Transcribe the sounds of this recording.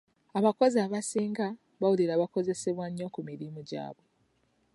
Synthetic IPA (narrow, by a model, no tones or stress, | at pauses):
aβako̞ziaβasiːŋɡa | βawuliɾaβako̞ze̞se̞βwaɲːo̞kumiɾimuɟa̰ːβwe̞